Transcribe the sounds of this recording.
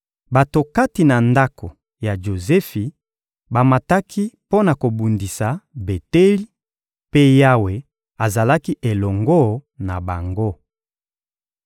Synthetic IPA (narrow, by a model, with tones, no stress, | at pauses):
ba˨to˨ka˦ti˨na˨nda˦ko˨ | ja˨ʒo˨zɛ˦fi˨ | ba˨ma˨ta˦kʰi˦po˦na˨ko˨bu˨ndi˨sa˨be˨te˦li˦ | pe˦ja˦we˨ | a˨za˨la˦ki˦ʔe˨lɔ˨ŋɡo˦na˨ba˨ŋɡo˦